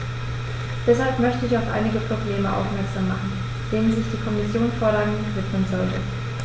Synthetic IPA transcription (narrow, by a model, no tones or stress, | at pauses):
d̥ɛshalpmœçtəɪçaʊfʔa̰ɪnɪɡəpʁ̥obleːməʔa̰ʊfmɛɐkz̥aːmːaχn̩ | d̥eːnənzɪçd̥iːkʰɔmɪsjoːnfɔːɐɾɐaŋnvɪtmənzɔltə